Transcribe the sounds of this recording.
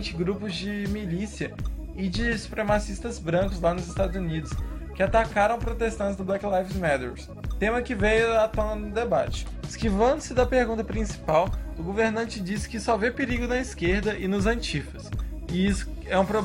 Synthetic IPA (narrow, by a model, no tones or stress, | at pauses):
t͡ʃɪɡɾupʊzd͡ʒɪmilisiɐ | ɪd͡ʒɪsu̥pɾemasist̪ɐzbɾɐ̃kʊzlanʊzɪst̪ad̪ʊzunid̪ʊskɪat̪akaɾɐ̃w̃pɾot̪est̪ɐ̃t͡ʃɪzd̪ʊblɛklajfzmɛd̪ḛɾs | t̪ẽmɐkɪvejʊat̪õnɐd̪ʊd̪eba̰t͡ʃɪ̥ | ɪskivɐ̃nd̪ʊsɪd̪ɐpehɡũnt̪ɐpɾĩsi̥pawʊɡoveɾnɐ̃t͡ʃɪd͡ʒisɪ̥kɪsɔvepɪɾiɡʊnɐiskeɾd̪ɐʔɪnʊzɐ̃t͡ʃifɐsɪisʊ̥ | ɛũpɾob